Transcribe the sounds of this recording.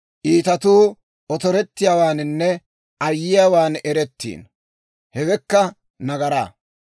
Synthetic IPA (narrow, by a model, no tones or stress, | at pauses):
ʔiːt̪ɐt̪uː | ʔɔt̪ɔɾɛt̪ːɪjaːwaːnɪnːɛ | ʔɐjːɪjaːwaːnɛɾɛt̪ːḭːn | hɛɡɛkːɐ | nɐɡɐɾaː